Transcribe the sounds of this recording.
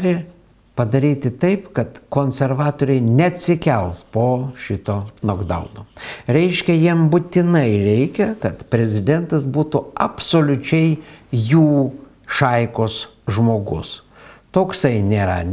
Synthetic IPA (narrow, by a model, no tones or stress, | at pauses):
lʲɪ | pɐd̪ɐɾʲiːt̪ʲɪt̪ɐɪpkɐt̪koːnʲsʲɛɾʋɑːt̪oːɾʲɛɪnʲɛɐt̪ʲsʲɪkʲɛlˠspoːʃʲɪt̪oːnoːɡd̪ɐ̰ʊnoːɾʲɛɪʃʲkʲɛjiɛmbʊt̪ʲɪnɐɪɾʲɛɪkʲɛkɐt̪pʲɾʲɛzʲɪd̪ʲɛnt̪ɐs̬buːt̪ʊɐpsoːlʲʊt͡ʃʲɛɪjuː | ʃɐɪkoːs | ʒmoːɡʊ̰s | t̪oːksɐɪnʲeːɾɐ̰